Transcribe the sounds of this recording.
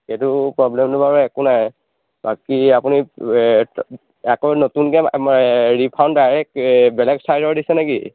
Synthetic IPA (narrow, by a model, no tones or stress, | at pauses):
xetupɹɔblɛmtʊbaɹuɛkunaj | bakiapuni | akɔnotunkɛ | ɹipʰawnddajɹɛk̚bɛlɛɡsajɾɔɹdisɛnɛkḭ